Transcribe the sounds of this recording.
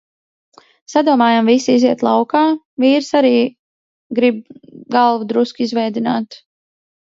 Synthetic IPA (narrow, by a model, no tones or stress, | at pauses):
sad̪uɔmaːjamvisiiziɛt̪lˠawkaː | viːɾsaɾiː | ɡɾib̚ɡalˠvud̪ɾuskizvɛjd̪inaːt̪